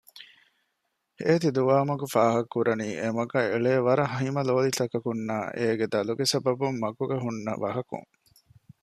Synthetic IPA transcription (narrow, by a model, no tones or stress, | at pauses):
heːt̪id̪uʋaːmɐkufaːɦɐkːuɾɐniːʔemɐɡɐeɭeːʋɐɾɐɦɐɦimɐloːlit̪ɐkɐkunːaːʔeːɡed̪ɐluɡesɐbɐbumːɐɡuɡɐɦunːɐ̰ʋɐɦɐkṵŋ